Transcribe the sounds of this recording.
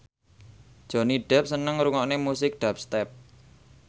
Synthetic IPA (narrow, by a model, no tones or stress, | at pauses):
d̥ʒ̥o̤niɖ̥ɛ̤p̚sənəŋɾuŋɔʔnemusɪk̚ɖ̥ap̚st̪ɛp̚